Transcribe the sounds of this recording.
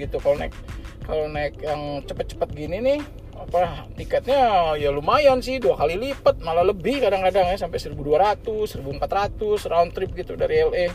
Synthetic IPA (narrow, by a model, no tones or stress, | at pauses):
it̪ukalona̰ɪk̚ːalonaɪk̚jaŋt͡ʃəpət̪̚t͡ʃə̥pət̪̚ɡininɪh | apaht̪ikat̪̚ɲajalumajansɪhduakalilipət̪̚malaləbɪhkadaŋkadaŋjasampɛjsəɾibuduaɾat̪usəɾibuəmpat̪rat̪ʊsraunt̪ɾɪp̚ɡit̪udaɾiɛlɛ